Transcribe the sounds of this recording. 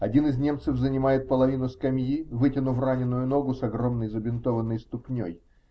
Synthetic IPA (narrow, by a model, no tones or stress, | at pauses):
ɐdʲinɨznʲe̞mt̪sɨvzənʲɪmajɪt̪̚pəlˠɐvʲinʊskɐmʲjivɨtʲɪnʊvranʲɪnːʊjʊno̞ɡʊsɐɡɾo̞mnəjzəbʲɪnt̪o̞vənːəjst̪ʊpnʲo̰j